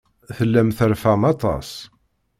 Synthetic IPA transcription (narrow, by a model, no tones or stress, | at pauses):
θəlːæmθəɾfæmɑt̪ˤɑ̰s